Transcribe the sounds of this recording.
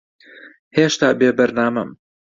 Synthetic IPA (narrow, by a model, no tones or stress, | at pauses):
heːʃt̪aːbeːbɐɾnaːmɐm